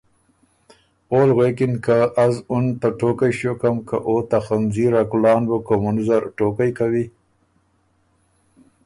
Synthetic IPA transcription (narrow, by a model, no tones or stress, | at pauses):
oːlɣwekɪnkaʔazʊnt̪aʈokajʃokamkaʔot̪axanziɾakulɑːnbəkomunzaɾʈokajkawi